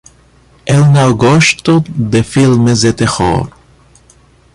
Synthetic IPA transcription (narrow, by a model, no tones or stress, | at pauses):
elnawɡoʃt̪od̪efilmezet̪exo̰ɾ